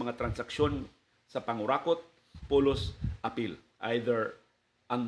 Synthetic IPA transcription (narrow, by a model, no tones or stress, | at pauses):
mɐŋat̪ɾɐnsɐkʃo̞n | sɐpɐŋʊɾakot̪̚ | polosʔɐpil | ʔa̰jd̪ɛɹ | ʔɐŋ